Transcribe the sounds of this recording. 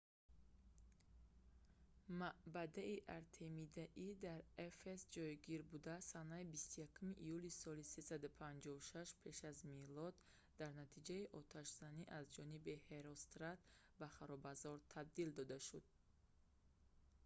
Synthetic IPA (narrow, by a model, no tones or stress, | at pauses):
mabad̪aiʔaɾt̪ʰemid̪aʔid̪aɾefesd͡ʒɔjɡiɾbud̪asanaibist̪ujakʰumiʔːjulisɔlisesad̪upʰand͡ʒɔvuʃaʃpʰe̞ʃazmilɔd̪ː | aɾnat̪ʰid͡ʒaiʔɔt̪ʰaʃz̥aniʔazd͡ʒɔnibiheɾɔst̪ɾat̪ | baχaɾɔbazɔɾt̪ʰab̚d̪ild̪ɔd̪aʃud̪̥